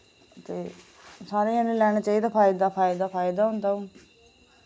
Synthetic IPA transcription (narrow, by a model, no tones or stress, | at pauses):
t̪eː | saːɾeːãːnẽlɛːɽ̃aːt͡ʃaːiːd̪aːpʰaːɪd̪aːpʰaːɪd̪aːpʰaːɪd̪aːɦʊnd̪aːũː